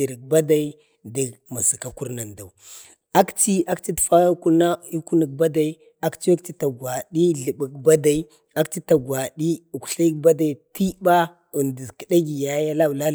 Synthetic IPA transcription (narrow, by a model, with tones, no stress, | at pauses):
i˨ɾi˨k̚ba˦da˨i˦ | da˨ɡma˨si˨ka˨ku˦ɾna˨nda˨w | a˦kt͡ʃi˦a˦kt͡ʃi˦tfa˦a˦ku˦ɾna˦i˦ku˦nə˨k̚ba˦da˨i˦ | a˦kt͡ʃi˦a˦k̚t͡ʃi˦ta˨ɡwa˨ɗi˦ɮə˨bə˨k̚ba˦da˨i˦ | a˦kt͡ʃi˦ta˨ɡwa˨ɗi˦u˨ku˨ɬa˦i˦kba˦da˨i˨˦ti˦ba˦ | u˨ndi˨kə˨da˦ɡi˨ja˦ja˦la˦˨la˦